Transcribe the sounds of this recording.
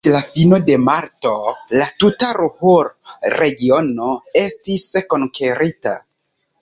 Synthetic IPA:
lafino̞de̞maɾto̞latutaɾuhoɾɾe̞ɡio̞no̞e̞stisko̞ŋkʰeɾita̰

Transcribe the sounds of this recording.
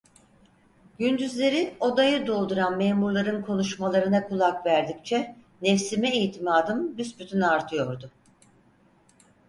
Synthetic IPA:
ɟynd̪yzlʲe̞ɾio̞d̪ajɯd̪o̞lˠd̪uɾanmeːmuɾlˠaɾɯnkʰo̞nuʃmalˠaɾɯnakʰulˠakvæɾd̪ic̚t͡ʃʰɛ | nɛfsimɛijt̪ʰimaːd̪ɯmbysbyt̪ʰynaɾt̪ʰɯjo̞ɾd̪ʊ

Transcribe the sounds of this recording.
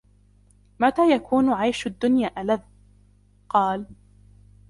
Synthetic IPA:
mat̪aːjakʰuːnʕajʃad̪ːʊnjaːʔalað | qɑːl

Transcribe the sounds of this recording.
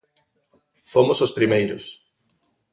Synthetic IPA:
fomʊsospɾimejɾʊs

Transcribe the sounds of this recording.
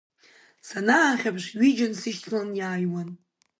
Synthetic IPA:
sanaːχʲapʰʂʷɥid͡ʒansɨʃtʰlanjaːjwan

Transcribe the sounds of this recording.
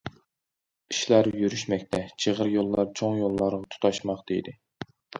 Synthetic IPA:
i̥ʃlæɾjyɾyʃmɛkʲt̪ʰɛt͡ʃʰeʁəɾjolˠːɑɾt͡ʃʰoŋjolˠːɑɾʁɑt̪ʰu̥t̪ʰɑʃmɑχd̪ejd̪ɪ

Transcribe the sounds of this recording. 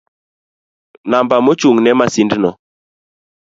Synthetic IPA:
nambamot͡ʃuŋnɛmasindnɔ

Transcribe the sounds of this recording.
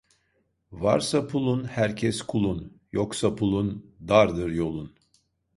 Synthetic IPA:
va̰ɾsapʰulˠunhæɾcʰɛskʰulˠun | joksapʰulˠund̪aɾd̪ɯɾjo̞lˠun

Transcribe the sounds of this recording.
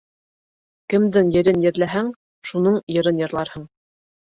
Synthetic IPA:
kɘ̆md̪ɘŋjɘ̆ɾɘnjɘ̆ɾlæɦæŋ | ʃunɤɴjɤ̆ɾɤnjɤ̆ɾlˠɑɾhɤɴ

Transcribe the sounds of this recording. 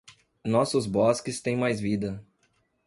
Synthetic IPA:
nɔsʊzbɔskɪst̪ẽj̃majzvid̪ɐ

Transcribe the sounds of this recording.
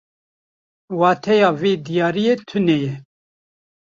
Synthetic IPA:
wɑːt̪ʰɛjɑːveːd̪ijɑːɾijeːt̪ʰɨnɛjɛ

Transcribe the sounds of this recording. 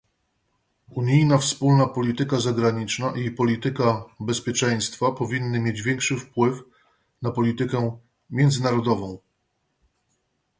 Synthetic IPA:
uɲijnafspulnapɔlʲit̪ɘkazaɡɾaɲit͡ʂnaʔipɔlʲit̪ɘkabɛspʲjɛt͡ʂɛj̃st̪fapɔvʲinːɘmʲjed͡ʑvʲjɛŋkʂɘfpwɘf | napɔlʲit̪ɘkɛ | mʲjɛnd̪zɘnaɾɔd̪ɔvɔ̃w̃

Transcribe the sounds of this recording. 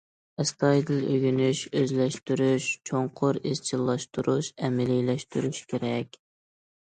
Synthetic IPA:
ɪsk̪ʰɑjd̪ɨløɡʲynyʃøzlɛʃt̪yɾyʃt͡ʃʰoɴqʰʊɾez̥t͡ʃʰilˠːɑʃt̪ʰuɾuʃɛmɪlilɛʃt̪yɾyʃkʲʰeɾɛkʲ

